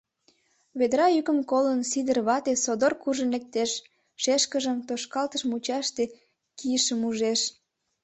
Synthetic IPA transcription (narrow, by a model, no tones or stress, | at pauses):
βed̪ɾɑykə̆mkolənsid̪ərβɑt̪esod̪orkuʒənlek̚t̪eʃ | ʃeʃkəʒəmt̪oʃkɑlt̪əʃmut͡ɕɑʃt̪e | kʰiəʃəmuʒeʃ